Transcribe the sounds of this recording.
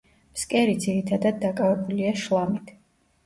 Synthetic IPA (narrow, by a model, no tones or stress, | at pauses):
mskʼɛɾid̪ziɾit̪ʰad̪ad̪ːakʼavɛbuliaʃlˠamit̪ʰ